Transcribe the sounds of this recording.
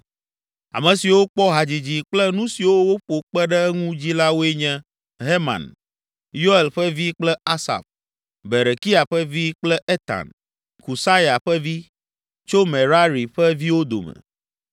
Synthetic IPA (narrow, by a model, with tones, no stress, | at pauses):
a̰˨mɛ̃˨si˨wo˦k͡pɔ˦ɦa˨d͡ʑi˨d͡ʑi˨k͡plɛ˦nũ˦si˨wo˦wo˦ɸo˨k͡pɛ˦ɖɛ˦ŋũ˦d͡ʑi˦la˦wo˦e˦ɲɛ̃˦ | ɦe˦mã̰˨n | jo˦e˨lɸɛ˦vi˦k͡plɛ˦a˦sa̰˨f | be˨ɾe˨ki˦a˨ɸɛ˦vi˦k͡plɛ˦ʔe˦t̪a̰˨n | ku˨sa˦ja˨ɸɛ˦vi˦ | t͡ʃo˦me˨ɾa˦ɾi˨ɸɛ˦vi˦wo˦d̪o̰˨mɛ̰˨